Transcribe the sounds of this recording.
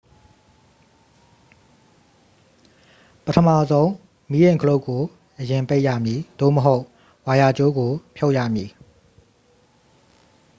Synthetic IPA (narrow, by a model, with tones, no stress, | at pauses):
pətʰə˨ma˦˨zõ˦ʊ̃ | mi˨˦jẽ˨ŋkʰə˨lo˦ʊkːo˨ | ʔəjɪ̃˨mpe˦ɪʔja̰˦˨mji˨d̪̥o̰˦˨məɦo˦ʊʔ | wa˨ja˨t͡ɕo˦ɡo˨pʰjo˦ʊʔjä̰˦˨mji˨